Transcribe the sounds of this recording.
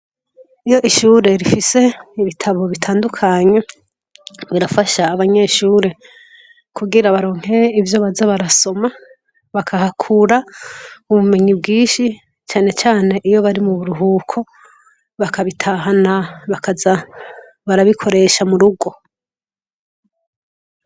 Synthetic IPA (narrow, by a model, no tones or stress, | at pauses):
ijo̞ʔiʃuːɾe̞ɾifise̞iβitʰaβo̞βitʰaːndukʰaɲe̞ | βiɾafaʃaːβaɲe̞ʃuːɾe̞ | kʰuɡiɾaβaɾo̞ːŋ̥he̞ɾeivjo̞βazaβaɾaso̞ma | βakʰahakʰuɾa | uβume̞ɲibɡiːʃi | t͡ʃaːne̞t͡ʃaːne̞ʔijo̞βaɾimuβuɾuɦukʰo̞ | βakaβitʰaɦanaβakaza | βaɾaβikʰo̞ɾe̞ʃamuɾuɡwo̞